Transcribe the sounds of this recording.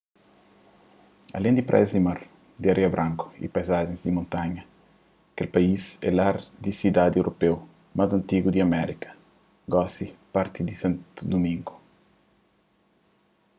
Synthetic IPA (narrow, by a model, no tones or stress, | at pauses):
ɐ̰lẽnd̪ipɾʔa̰jzd̪imaɾ | d̪iaɾʔeɐbɾʔãŋku̥ḭpajzaʒẽŋzd̪imõnt̪aɲɐ | kelpaizɛ̰laɾd̪isid̪ad̪ewɾʔopew | mazɐ̃nt̪iɡud̪iɐmɛɾikɐ̥ | ɡɔsipaɾt̪id̪isãnt̪ud̪umĩŋɡu̥